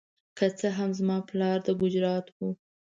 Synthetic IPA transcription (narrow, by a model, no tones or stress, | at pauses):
kət͡səɦamzmɑplɑɾd̪əɡʊd͡ʒɾɑt̪wu